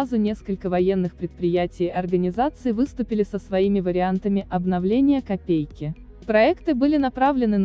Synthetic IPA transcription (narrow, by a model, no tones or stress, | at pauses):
zʊnʲe̞skəlʲkəvɐjenːɨxpɾʲɪt̪̚pɾʲɪjætʲɪjɐrɡənʲɪzat̪sɨɪvɨst̪ʊpʲɪlʲɪsəsvɐimʲɪvəɾʲɪant̪əmʲɪʔɐbnɐvlʲenʲɪjəkɐpʲejkʲɪ | pɾɐɛkt̪ɨbɨlʲɪnɐpɾavlʲɪnɨn